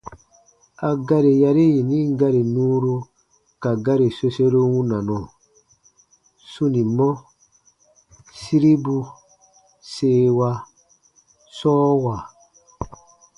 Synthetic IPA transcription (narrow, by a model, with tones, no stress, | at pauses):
a˨ɡa˦ɾe˨ja˧ɾi˦ji˨nĩ˦ɡa˦ɾi˨nũː˦ɾu˧˦ | ka˨ɡa˦ɾi˨so˧se˦ɾo˦wũ˦nã˨nɔ̃˨ | su˦nĩ˨mɔ˦ | si˦ɾi˦bu˧ | seː˦wa˧ | sɔː˦wa˨